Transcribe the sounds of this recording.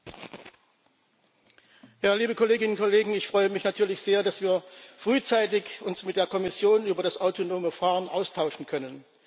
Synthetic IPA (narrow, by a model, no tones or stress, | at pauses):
jaːliːbəkʰɔleːɡɪnnkʰɔleːɡŋ̩ɪçfʁ̥ɔʏəmɪçnatʰyːɐlɪçz̥eːɐdasv̥iːɐfʁ̥yːt͡saɪtɪçʊnsmɪt̚d̥eːɐkʰɔmɪsjoːnyːbɐɾasʔaʊtʰonoːməfaːʁənʔa̰ʊstʰaʊʃn̩kʰœnən